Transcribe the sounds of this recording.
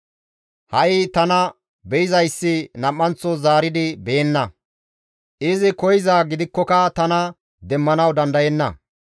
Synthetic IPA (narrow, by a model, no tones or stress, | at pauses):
hɐjɪt̪ɐnɐ | bɛjɪzɐjsːɪnɐmːɐnt͡sːɔzaːɾɪd̪ɪbɛjɛnːɐ | ʔɪzɪkɔjɪzaːɡɪd̪ɪkːɔkɐt̪ɐnɐ | d̪ɛmːɐnɐwd̪ɐnd̪ɐjɛnːɐ̰